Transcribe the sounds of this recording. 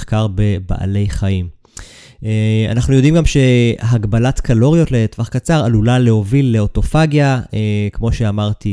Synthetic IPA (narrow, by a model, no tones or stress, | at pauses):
kaʁbe̞ba̰ʔa̰le̞jχaim | ea̰naχnujo̞d̪imɡamʃe̞ɦaɡbalatkʰalo̞ʁijo̞tle̞tvaχkat͡saʁalulale̞ho̞vilːe̞oto̞faɡjaekmo̞ʃe̞amaʁt̪i